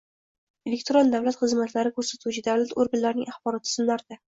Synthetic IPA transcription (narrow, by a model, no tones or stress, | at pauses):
elʲek̚ʲt̪ʰoɾond̪avlat̪χɨzmat̪laɾɪkʰɵɾsat̪ʰuwt͡ʃʰɪd̪avlat̪oɾɡanlaɾɪnɪ̰ŋʔaχbɒɾɒt̪ʰːɪ̥z̥ɪmlaɾɪd̪̥a